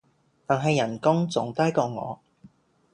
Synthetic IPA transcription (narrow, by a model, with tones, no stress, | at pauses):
t̪aː˨˩nɦɐ˨jːɐ˨˩nkʊ˥ŋt͡sʊ̰˨˥ŋt̪aː˥jkɔː˧ŋɔ̰ː˨˧